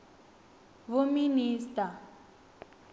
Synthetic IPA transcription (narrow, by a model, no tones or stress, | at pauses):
βominiːsta